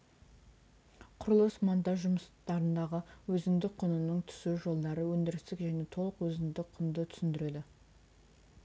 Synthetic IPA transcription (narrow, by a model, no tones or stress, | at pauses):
qʰʊɾlˠəsmant̪ɑʒʊməst̪ɑɾənd̪ɑʁəwɵzɪnd̪ɪk̚qʰʊnənəɴt̪ʰʏ̥suʒo̞lˠd̪ɑɾəwɵnd̪ɪɾɪst̪ɪkʒæne̞t̪ʰo̞lˠəqwɵzɪnd̪ɪkqʰʊnd̪ət̪ʰʏ̥sɪnd̪ɪɾed̪ɪ